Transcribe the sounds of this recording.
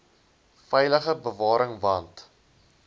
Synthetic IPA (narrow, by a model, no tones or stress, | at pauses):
fɛjləχəbəvɑːɾəŋvɐnt